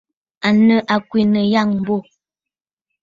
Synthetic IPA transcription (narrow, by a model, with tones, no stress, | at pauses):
a˨nə˦˨ʔa˨kwi˨nə˨ja˦˨ŋm̩˨bo˦˨